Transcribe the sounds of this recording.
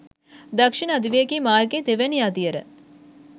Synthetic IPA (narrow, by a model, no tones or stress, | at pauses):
d̪ɐkʂinəɐd̪iʋejəkiːmaːrɡet̪eʋɛnijaːd̪ijəɾə̰